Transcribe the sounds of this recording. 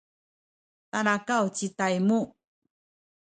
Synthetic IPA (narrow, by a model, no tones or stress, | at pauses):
tanakawt͡ɕitajmu